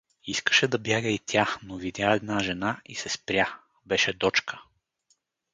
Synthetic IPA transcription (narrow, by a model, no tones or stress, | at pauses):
iskə̥ʃɛd̪ɐbjaɡəit̪ʲʰanovid̪ʲjaɛd̪naʒɛnaisɛspɾʲja | bɛʃɛd̪ɔt͡ʃkʰə̥